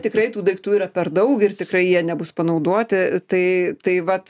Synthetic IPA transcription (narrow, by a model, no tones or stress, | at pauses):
t̪ʲɪkɾɐɪt̪uːd̪ɐɪkt̪uːiːɾɐpʲɛrd̪ɐʊkɪrt̪ʲɪkɾɐɪjiɛnʲɛbʊspɐnɐʊd̪uɔt̪ʲɪt̪ɐɪt̪ɐɪʋɐt